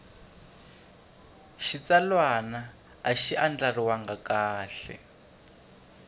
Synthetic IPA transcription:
ʃit͡salwanaː | ʃiʔand͡ɮariwaŋɡakaːɬɛ̰

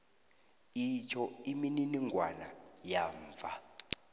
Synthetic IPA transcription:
it͡ʃʰɔimininiŋʱwanajaːɱvʱa

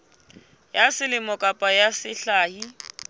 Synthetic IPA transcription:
jasɪlɪmɔkʼapʼajasɪɬaːhi

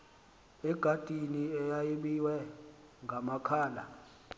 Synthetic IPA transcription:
ɛɡ̥ʱad̥ʼʱiniɛjajiɓiwɛ | ŋɡʱamakʰaːla̰

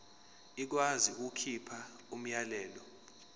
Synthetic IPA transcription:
ik̬waziuk̬ukʰipʰa | um̩jalɛːlɔ

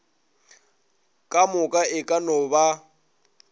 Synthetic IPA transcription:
kʼamʊkʼaɪkʼanʊba

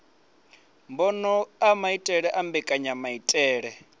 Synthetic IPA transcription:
mbɔnɔamaitʼɛɺɛʔambɛkʼaɲamaitʼɛːɺɛ

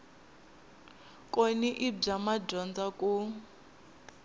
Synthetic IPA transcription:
kʼoniʔib͡ʐamaɟɔnd͡zaku

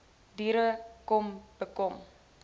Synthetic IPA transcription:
diɾəkɔmb̥əkɔm

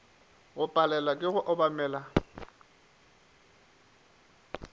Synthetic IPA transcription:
ɣʊpʼalɛlakʼɪɣʊʔɔbamɛːla

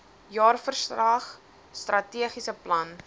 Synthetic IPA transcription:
jɑːrfərsrɐːχ | strɐtiəχisəplɐn

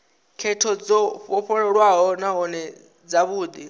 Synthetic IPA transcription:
kʰɛtʰɔd͡zɔɸɔɸʰɔɺɛɺwaɦɔnaɦɔnɛ | d͡zaβuːd̪i

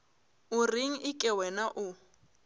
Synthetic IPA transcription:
ʊriŋ̩ʔɪkʼɛwɛnaʔʊ

